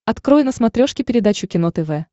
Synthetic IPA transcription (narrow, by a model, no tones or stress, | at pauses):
ɐt̪kɾo̞jʊnəsmɐt̪ɾʲo̞ʂkʲɪpʲɪɾʲɪd̪at͡ɕʊkʲɪnot̪ɛvɛ